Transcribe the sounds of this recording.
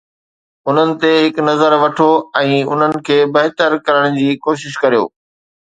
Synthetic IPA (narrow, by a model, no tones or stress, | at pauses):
ʊn̤ənɪ̆t̪eɦɪknɐzəɾʋɐʈʰoɛ̃ːʊn̤ənɪ̆kʰeːbɐɦt̪əɾkɐɾəɽ̃d͡ʑiːkoːʃɪʃkɐɾijo̰ː